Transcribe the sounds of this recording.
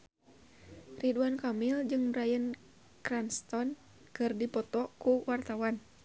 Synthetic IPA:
riduankamild͡ʒɨŋbɾajən | kɾanst̪ɔn | kɨrdipɔt̪ɔkuwart̪awan

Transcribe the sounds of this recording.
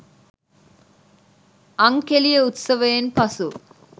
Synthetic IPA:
ɐŋkelijɐut̪sɐʋeːnpɐsu

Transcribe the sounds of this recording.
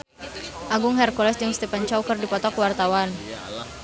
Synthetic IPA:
ʔaɡʊŋɦɛrkɔlɛsd͡ʒəŋst̪epant͡ʃawkɨrdipɔt̪ɔkwart̪awan

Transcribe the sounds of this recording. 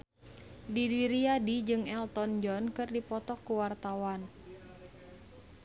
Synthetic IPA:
didiɾiadid͡ʒɨŋɛlt̪ɔnd͡ʒɔnkɨrdipɔt̪ɔkːuwart̪awan

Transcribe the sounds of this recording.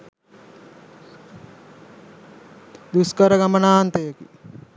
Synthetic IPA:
d̪uskəɾəɡamənaːant̪əjəki

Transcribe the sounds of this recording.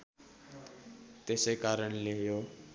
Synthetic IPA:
t̪esekaɾənlejo

